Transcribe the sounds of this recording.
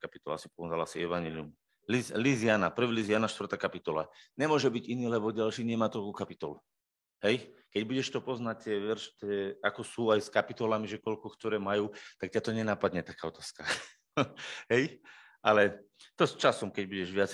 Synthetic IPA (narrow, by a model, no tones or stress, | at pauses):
kapit̪ɔla̰si̥pɔɛnalasiɛʋaɲɛliṵm | lizlizianapr̩ʋilizɪanaʃt̪ʋrt̪aːkapit̪ɔla̰ɲɛmʊɔʒɛbiɟiniːlɛbɔɟalʃiːɲɛmaːt̪ɾɔlkuːkapit̪ɔlu | ɦɛjkɛɟbuɟɛʃt̪ɔpɔznac̚t̪ɪɛʋɛɾʃt̪ɛakɔsuːajskapit̪ɔlamiʒɛkɔlkɔkt̪ɔɾɛːmajuːt̪akcat̪ɔɲɛnapad̪ɲɛt̪akaːɔt̪aːska | ɦɛj | ʔalɛ | t̪ɔst͡ʃasɔmkɛɟbuɟɛʒʋɪat͡s